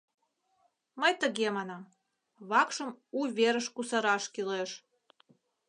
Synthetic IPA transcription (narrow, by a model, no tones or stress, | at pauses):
məjt̪əɣemɑnɑm | βɑkʃə̆muβʲeɾəʃkusɑɾɑʃkileʃ